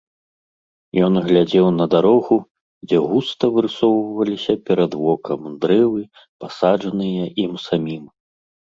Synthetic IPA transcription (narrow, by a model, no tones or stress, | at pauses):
jɔnɣlʲad͡zʲɛwnɐd̪aɾɔɣu | d͡zʲɛɣust̪ɐvɨɾɨsɔwvvɐlʲisʲɐpʲɛɾɐd̪vɔkɐmd̪ɾɛvɨ | pasaʐɐnɨjɐʔimsamʲim